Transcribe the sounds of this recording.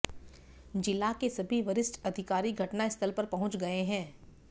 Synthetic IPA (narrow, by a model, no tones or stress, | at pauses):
d͡ʒɪlakesɐbʱiʋɐɾɪsʈɐd̪ʱɪkaːɾiɡʱɐʈnaɪst̪ʰəlpɐɾpɐɦʊ̃t͡ʃɡɐeɦɛ̃ː